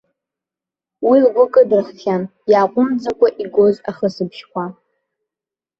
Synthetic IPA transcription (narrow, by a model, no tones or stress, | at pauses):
wilɡʷʊkʼɨdɨrχʲχʲanjaːqʷʼʊmd͡zakʷʼaʔiɡʷo̞zaχəsɨbʃkʷa